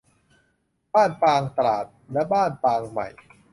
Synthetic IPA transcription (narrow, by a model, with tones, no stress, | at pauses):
b̥aː˥˩npaː˧ŋt̪a˧ɾaː˨˩t̪̚lɛ˦˥baː˥˩npaː˧ŋma̰˨˩j